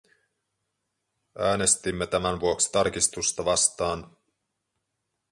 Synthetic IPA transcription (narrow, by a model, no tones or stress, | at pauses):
ʔæːne̞st̪imːe̞t̪æmænʋuoksi̥t̪ɑrk̟ist̪ust̪ɑʋɑst̪ɑːn